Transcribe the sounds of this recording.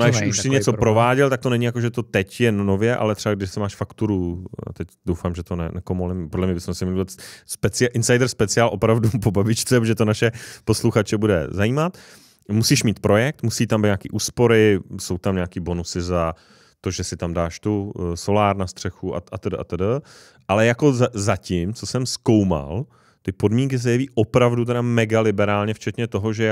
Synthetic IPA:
oɪʃuʃsɪɲɛt͡sopɾo̞vaːɟɛlt̪ak̚t̪o̞nɛɲɪjakoʒɛt̪o̞t̪ɛcjɛnno̞vjɛʔa̰lɛt̪r̥ɛbaɡdɪʃsɪmaːʃfakt̪uɾua̰t̪ɛcdowfaːmʒɛt̪onɛ̰nɛkomolɪmpodlɛmɲɛbɪsmɛsɪmaspɛt͡sɪaʔɪnsajdɛɾspɛt͡sɪaːlʔo̞pɾavdupobabɪt͡ʃt͡sɛʒɛt̪onaʃɛpo̞sluxat͡ʃɛbudɛ̰zajiːmat̪ | musiːʃmiːt̪pɾo̞jɛk̚t̪musiːt̪ambɲakḭːʔuːspo̞ɾɪso̞wt̪amɲaːkiːbo̞nusɪza | t̪o̞ʒɛsɪt̪amdaːʃt̪uso̞laːɾnast̪r̥ɛxuʔa̰ʔat̪ɛdʔa̰t̪ɛdə | ʔalɛjako̞zzacɪmt͡so̞sɛmsko̞wma̰l | t̪ɪpo̞dmiŋk̬ɪs̬ɛjɛviːʔopɾavdut̪ɛɾamɛɡalɪbɛɾaːlɲɛft͡ʃɛt̪ɲɛt̪o̞ɦoʒɛ

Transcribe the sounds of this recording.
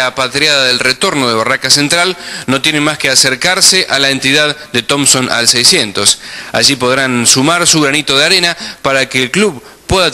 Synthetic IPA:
apat̪ɾjaðaðelret̪o̞ɾnoð̞eβ̞arakase̞nt̪ɾalno̞t̪jenemaskeaseɾkaɾseʔalaent̪iðaðd̪et̪o̞msonʔa̰lsɛjsjent̪o̞sa̰ʒipo̞ðɾansumaɾsuɣɾanit̪oð̞eaɾe̞napaɾakeːlkluβ | pːweða

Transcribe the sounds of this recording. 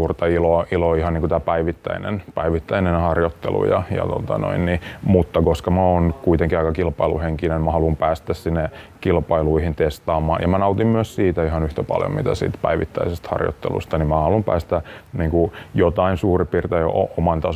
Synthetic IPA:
uːrt̪ɑiloiloihɑnniːŋkut̪æːpæiʋit̪ːæ̰inḛnpæiʋit̪ːæinenhɑrjot̪ːḛlṵjɑ̰jɑ̰t̪o̰t̪ɑ̰no̰innimut̪ːɑkoskɑmæoːnkuit̪eŋkiɑikɑkilpɑilṵheŋkinenmæhɑlumpæːst̪æssinːekilpɑiluihint̪est̪ɑːmːɑ̰ːnjɑ̰mænɑut̪immyøssiːt̪æihɑnyht̪æpɑ̰ljo̰mit̪æ̰sḭːt̪pæ̰iʋit̪ːæ̰isest̪hɑ̰rjo̰t̪ːḛlṵst̪ɑnimmæhɑlumpæ̰ːst̪æniːŋkujot̪ɑinsuːripiːrt̪ejo̰o̰ʔomɑnt̪ɑ

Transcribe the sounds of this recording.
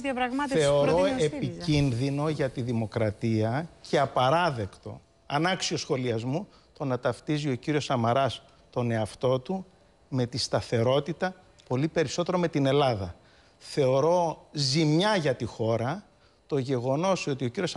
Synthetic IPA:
pɾɐɣmɐtθe̞o̞ɾoeiinðino̞ʝɐt̪iðimo̞kɾɐt̪iɐcʰe̞ɐpɐɾɐðe̞kt̪o̞̰ | ɐnɐksio̞sxo̞liɐzmu | t̪o̞nɐt̪ɐft̪izio̞ciɾio̞sɐmɐɾɐs | t̪o̞ne̞ɐft̪o̞t̪u | me̞t̪ist̪ɐθe̞ɾo̞t̪it̪ɐ | po̞lipe̞ɾiso̞t̪e̞ɾo̞me̞t̪ine̞lɐðɐ | θe̞oɾo̞zimɲɐʝɐt̪ixo̞ɾɐ | t̪o̞ʝe̞ɣo̞no̞so̞t̪io̞ciɾio̞s

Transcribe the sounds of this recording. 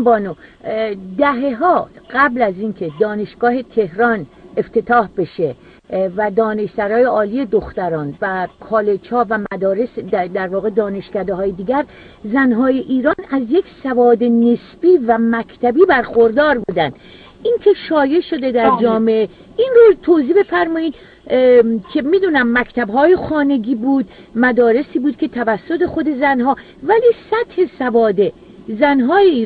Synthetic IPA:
bɒːno | d̪æɦe̞ɦɒːɢæblæziːnkʰe̞d̪ɒːne̞ʃɡ̥ɒːhe̞t̪ʰe̞hɾɒne̞ft̪ʰe̞t̪ʰɒːhbe̞ʃe | væd̪ɒːne̞ʃsæɾɒːje̞ɒːlije̞d̪oxt̪æɾɒːnvækʰɒːlet͡ʃʰhɒːvæmæd̪ɒːɾe̞sd̪æɾvɒːɣe̞d̪ɒːne̞ʃcæd̪eɦɒːjed̪iːɡɟæɾ | zænɦɒːje̞ʔiːɾɒːnæzjecsævɒːd̪enesbiːvæmækʰt̪ʰæbiːbæɾxoɾd̪ɒːɾbuːd̪ænd̪̥ | ʔinkʰe̞ʃɒːje̞ʃo̞d̪ed̪æɾd͡ʒɒːmeʔe | ʔinrot̪ʰoziːbe̞fæɾmɒːiːd̪ | kʰe̞miːd̪uːnæmːækt̪ʰæbɦɒːje̞xɒːne̞ɡiːbuːd̪̚ | mæd̪ɒːɾe̞siːbuːd̪̚kʰʲe̞t̪ʰævæsːo̞t̪e̞xo̞d̪e̞zænɦɒː | væliːsæt̪he̞sævɒːd̪e̞ | zænɦɒːjeiː

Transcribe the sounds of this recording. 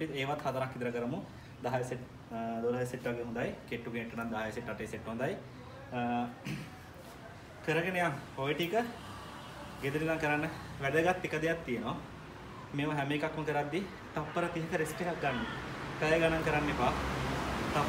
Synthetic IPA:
ieːʋat̪had̪əɾakːitd̪əɾəkəɾəmu | d̪aɦajseʈ | d̪olɦajseʈːʋaɡeːɦund̪ajkeʈːuɡeneʈːɐnand̪aɦajeseʈːaʈejseʈːɦund̪aj | kəɾəɡenəjaŋpojiʈikə | ɡed̪uɾilaŋkəɾanːəʋæɖ̪əɡat̪ːikəd̪ejat̪ːijənoʋa | meːmɐɦæmeːkakːunk̪əɾad̪ːi | t̪ɐpːəɾət̪iɦəkəɾesʈekak̚ɡanːuk̪əjəɡanaŋkəɾanːepaː | t̪ɐ

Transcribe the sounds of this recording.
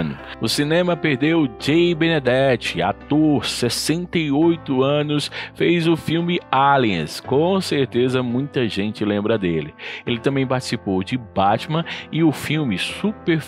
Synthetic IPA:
nʊʊsinẽmɐpeɾd̪ewd͡ʒejbẽned̪ɛt͡ʃɪa̰t̪oɾsesẽnt̪ɐjojt̪ʊɐ̃nʊsfejzʊfiwmɪaliɐ̰̃skõseɾt̪ezɐmũj̃t̪ɐʒẽnt͡ʃɪlẽmbɾɐd̪elɪelɪt̪ɐ̃mbẽj̃paɾt͡ʃi̥sipowd͡ʒɪbat͡ʃmɐ̃ɪʊfiwmɪsupeɾ

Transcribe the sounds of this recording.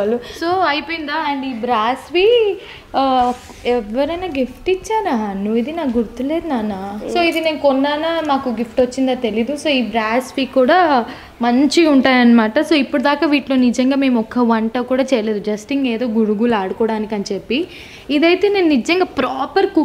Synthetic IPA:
luso̞ːɐjpoːjind̪aːɐɳɖiːbɾaːsʋiː | ɛʋːɐɾɐjnaːɡifʈit͡ʃːaːnaːnuʋːid̪inaːɡuɾt̪ule̞ːd̪unaːnaːso̞ːid̪ine̞ːnukɔnːaːnaːmaːkuɡifʈʋɐt͡ʃːind̪aːt̪e̞lid̪uso̞ːiːbɾaːsʋiːkuːɽaː | mɐɲt͡ʃiuɳʈaːjɐnːɐmaːʈɐso̞ːipːuɽɐd̪aːkaːʋiːʈlo̞ːnid͡ʒɐŋɡaːme̞ːmɔkːɐʋɐɳʈɐkuːɽaːt͡ʃɛːjɐle̞ːd̪ud͡ʒɐsʈiŋɡeːd̪o̞ːɡuɽuɡulaːɽukɔːɽaːnikʲɐnit͡ʃepːiː | d̪ɐjt̪e̞ːne̞ːnunid͡ʒɐŋɡaːpɾaːpɐɾku

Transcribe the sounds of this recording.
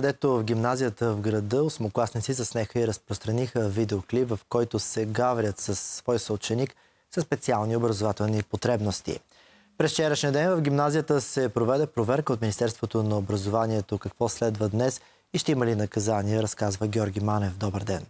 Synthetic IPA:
kəd̪ɛt̪ovfɡʲimnazijət̪əvɡɾɐd̪əosmoklˠasnit̪sisɐsnɛxəiɾəspɾost̪ɾɐnixəvid̪ɛoklipvɐfkɔjt̪osɛɡavɾʲət̪səsːvɔjsəot͡ʃɛnik | sɐspɛt̪sialˠniobɾɐzovat̪ɛlˠnipot̪ɾɛbnost̪ḭ | pɾɛst͡ʃɛɾəʃniəd̪ɛnvɐvɡʲimnazijət̪əsɛpɾovɛd̪ɛpɾovɛɾkəot̪mʲinist̪ɛɾst̪vot̪onɐobɾɐzovaniɛt̪okɐkvɔslɛd̪vəd̪nɛs | iʃt̪ɛimɐlinɐkɐzaniɛɾɐskazvəɡʲɔɾɡʲimanɛfd̪ɔbəɾd̪ɛn

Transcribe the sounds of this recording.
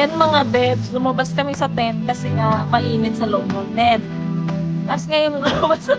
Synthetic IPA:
jɐnmɐŋab̪ɛbslʊmɐbaskɐmɛsɐt̪ɛn̚kɐsɛŋɐmɐʔiːnɪt̪̚sɐloʔmot̪ɛn̚ | t̪asŋɐjʊŋŋabɐs

